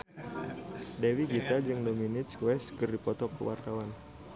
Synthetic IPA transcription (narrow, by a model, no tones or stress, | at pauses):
dewiɡit̪ad͡ʒɨŋdominɪt̪swɛskɨrdipɔt̪ɔkəwa̰rt̪awan